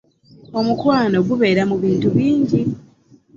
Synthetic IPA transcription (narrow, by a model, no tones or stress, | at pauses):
o̞mukwaːno̞ɡuβe̞ːɾamuβiːntuβiːɲɟi